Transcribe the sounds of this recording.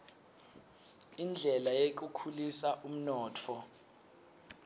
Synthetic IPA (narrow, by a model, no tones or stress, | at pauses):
ind͡ɮʱɛlajek̬ukʰulisaʔum̩nɔːtʰɔ